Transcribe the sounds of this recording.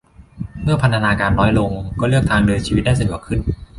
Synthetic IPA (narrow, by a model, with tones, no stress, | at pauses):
mɯ˥˩ɐpʰa˧nt̪ʰa˧naː˧kaː˧nɾɔː˦˥jlo˧ŋkɔː˥˩lɯ˥˩ək̚t̪ʰaː˧ŋdɤː˧nt͡ɕʰiː˧i˦t̪̚daː˥˩sa˧ju˨˩˦kʰɯ˥˩n